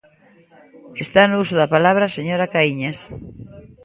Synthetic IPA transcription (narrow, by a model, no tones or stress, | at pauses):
est̪anʊusʊðapalaβ̞ɾaseɲoɾakaiɲas